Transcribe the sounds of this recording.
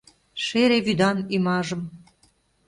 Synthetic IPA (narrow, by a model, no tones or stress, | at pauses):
ʃeɾeβyd̪ɑnimɑʒə̆m